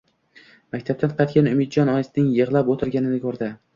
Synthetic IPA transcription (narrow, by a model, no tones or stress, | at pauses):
makʲt̪ʰab̚t̪anqʰɑjt̪̚ɡʲanʊmɪd̪̚d͡ʒɒnɒjɪsnɪŋjɨʁlˠapot̪ʰɪɾɡʲanɪnɪkʰɵɾd̪ɪ